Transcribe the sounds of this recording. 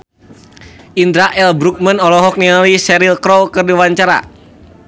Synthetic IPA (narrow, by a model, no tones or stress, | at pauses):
ʔind̪ɾaʔɛlbɾuk̚mənɔlɔɦɔk̚niŋalisɛɾilkɾɔwkərdiwaɲt͡ʃaɾa̰